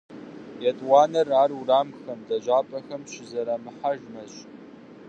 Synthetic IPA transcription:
jɛtʼwɑːnɐraːruraːmxɐmdɐʑʷaːpʼɐxɐmɕɪzɐɾɐmɨħaʒmɐɕʼ

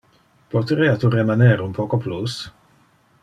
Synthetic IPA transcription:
pot̪ɾiːat̪uremaneɾunpʰoːkoplus

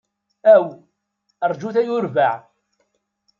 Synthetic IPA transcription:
æw | əɾˤd͡ʒuθæjʊɾvaʕ

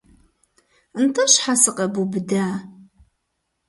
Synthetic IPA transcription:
ntʰɐʃħasɨqɐbubɨdaː

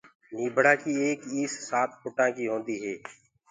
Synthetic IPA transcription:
niːbʱəɽaːkieːkiːsːaːt̪ʰpʊʈãːkiɦõːnd̪iːɦɛː

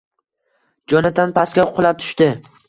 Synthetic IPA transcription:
d͡ʒɒnad̪ʰanpʰaskʲaqʰʊlˠap̚t̪ʰʊ̥ʃt̪ɪ

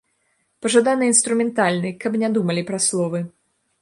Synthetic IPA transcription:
pɐʐad̪anɨinst̪ɾumʲɛnt̪alʲnɨkɐbnʲɛd̪umɐlʲipɾɐslˠɔvɨ

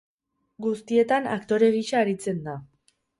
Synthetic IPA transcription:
ɡust̪ie̞t̪ana̰kt̪o̞ɾe̞ɣiʃaːɾit͡se̞nd̪a

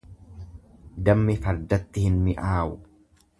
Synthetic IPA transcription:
d̪ɐmːɪfɐɾd̪ɐt̪ːɪhɪnmɪʔaːw

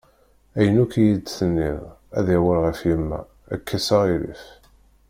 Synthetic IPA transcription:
æjənukjidθənːiðˤæðæwəlʁəfjimːæ̰ː | kʰːæsəʁiɾḭf

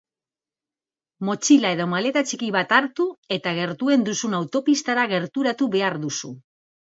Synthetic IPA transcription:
mo̞t͡ʃilae̞ðomale̞t̪at͡ʃikiβat̪aɾt̪ue̞t̪aɣ̞e̞ɾt̪ue̞nd̪usunawt̪o̞pist̪aɾaɣ̞e̞ɾt̪uɾat̪uβe̞aɾðusu

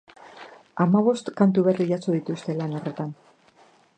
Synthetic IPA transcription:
amaβ̞o̞st̪kant̪uβe̞riʎat͡soðit̪ust̪e̞lano̞re̞t̪an

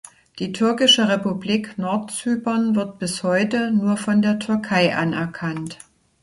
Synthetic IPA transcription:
d̥iːtʰʏɐkɪʃəʁepubliːknɔɐtt͡syːpɐnvɪɐt̚b̥ɪshɔʏtənuːɐfɔndeːɐtʰʏɐkʰaɪʔanɛɐkʰant

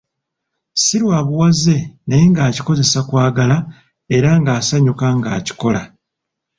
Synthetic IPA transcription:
silwaːβuwaze̞najeŋɡaːci̥ko̞ze̞sakwaːɡala | e̞ɾaŋɡaːsaɲukaŋɡa̰ːci̥ko̞la

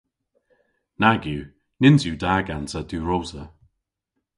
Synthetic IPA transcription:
naɡju | nɪnzjuːdaːɡansaduːɹozə

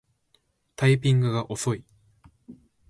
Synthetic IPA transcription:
t̪aipʲĩŋɡɯ̟ɡaʔo̞so̞i

